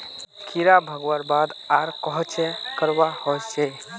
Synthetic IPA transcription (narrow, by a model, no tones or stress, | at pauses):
kʰiɾabʱəɡwəɾbad̪aɾkɔɦɔt͡ʃʰɛkəɾbahojt͡ʃʰɛ